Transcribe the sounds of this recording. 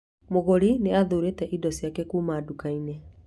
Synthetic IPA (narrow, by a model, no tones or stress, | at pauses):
moɣoɾineaðoɾetɛʔidɔsjakɛkuːmaːdukainɛ